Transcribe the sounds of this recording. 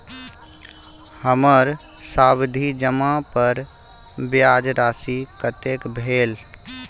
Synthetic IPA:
həməɾ | saːbd̪ʱid͡ʒəmapəɾ | bjad͡ʒɾaːsikət̪ekbʱeːl

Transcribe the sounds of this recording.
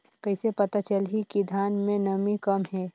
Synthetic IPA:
kɐɪsepɐt̪at͡ʃəlɦikid̪ʱaːnmẽnɐmĩkɐmɦɛː

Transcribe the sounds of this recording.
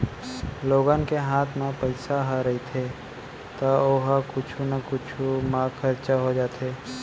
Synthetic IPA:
loːɡaːnkeɦaːt̪ʰmepəɪsaɦaɾɐɦit̪ʰe | t̪aoɦakʊt͡ʃʰunakʊt͡ʃʰumãːkʰːɐɾt͡ʃaɦod͡ʒaːt̪eː

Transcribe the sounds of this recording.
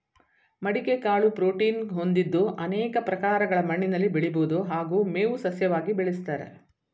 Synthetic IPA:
mɐɽikekaːɭupɾoːʈiːnɦond̪id̪ːoʔɐnɛːkɐpɾɐkaːɾɐɡɐɭɐmɐɳːinɐlːibeɭiboːd̪oɦaːɡuːmeːʋusɐsjɐʋaːɡibɛɭist̪aːɾḛ

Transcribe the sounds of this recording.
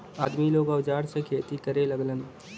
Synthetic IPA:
aːd̪miloːɡəʋd͡ʒaːɾsekʰeːt̪ikəɾelɐɡlən

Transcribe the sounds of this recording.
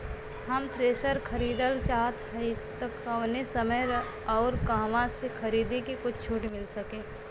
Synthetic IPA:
ɦɐmt̪ɾeːsəɾkʰɐɾiːd̪əlt͡ʃaːt̪ɦəɪt̪əkəʋnesəməjɾ | ɔːɾkaːʋasekʰɐɾiːd̪ekekʊt͡ʃʰt͡ʃʰuʈmɪlsɐkẽː

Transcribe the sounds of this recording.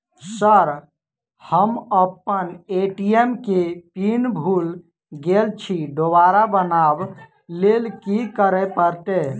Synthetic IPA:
səɾ | həməpːəneʈiemkepinbʱul | ɡelt͡ʃʰiɖoʋaɾabənab | lelkikəɾɛpəɾt̪e

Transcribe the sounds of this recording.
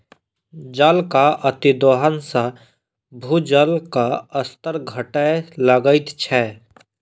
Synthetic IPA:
d͡ʒəlkaʔət̪id̪oːɦənsã | bʱud͡ʒəlkaəst̪əɾɡʱəʈələɡəɪt̪t͡ʃʰɛ

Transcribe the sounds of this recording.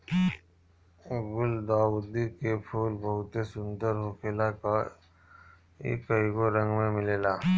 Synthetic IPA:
ebʊld̪aːwʊd̪ikepʰuːlbəɦʊt̪esʊ̃nd̪əɾɦokʰeːlaka | ḛːkəiɡoɾə̃ŋɡmẽmɪleːlaː

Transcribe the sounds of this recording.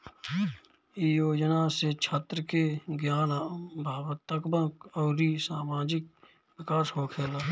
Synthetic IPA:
ijoːd͡ʒnaset͡ʃʰət̪ɾəkeɡjaːnabʱaːwət̪ːəkbəkɔːɾisaːmaːd͡ʒɪk̚ | wɪkaːsɦoːkʰeːlaː

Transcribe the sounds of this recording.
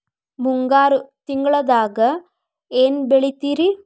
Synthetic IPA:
muŋɡaːɾut̪iŋɡɐɭɐðaːɣɐ | eːnbeɭit̪ːiːɾi

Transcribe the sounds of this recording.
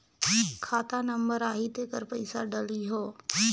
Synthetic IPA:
kʰaːt̪anəmbəɾaːɦid̪eːkəɾpəɪsaɖəliɦoː

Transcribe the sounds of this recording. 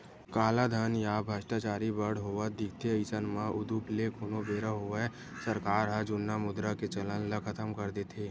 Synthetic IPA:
kaːlad̪ʱənjaːbʱəʃʈat͡ʃaːɾibəɽ̤ɦoːʋəd̪ɪk̚ʰt̪eəɪsənmãʔʊd̪uplekʰoːnobeːɾəɦoʋe | səɾkaːɾɦad͡ʒʊnːamʊd̪ɾaket͡ʃələnləkʰɐt̪əmkəɾd̪et̪ʰeː

